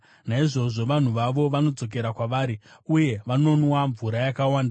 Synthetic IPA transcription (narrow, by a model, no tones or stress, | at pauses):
naiʐo̞ʐo̞ʋan̤uʋaʋo̞ʋano̞d͡zo̞k̬e̞ɾakwaʋaːɾiuje̞ʋano̞nwaɱvuɾajakawaːnda